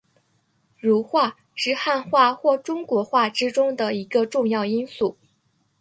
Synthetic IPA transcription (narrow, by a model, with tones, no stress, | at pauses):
ɻu˧˥xwa˥˧ | ʂɻ̩˥˧xa˥˧nxwa˥˧xwɔ˥˩ʈ͡ʂʊ˥ŋkwɔ˧˥xwa˥˩ʈ͡ʂɻ̩˥ʈ͡ʂʊ˥ŋd̪ə˨i˧˥ɡə˧ʈ͡ʂʊ˥˧ŋjɑ˥˩ʊi˥nsu˥˩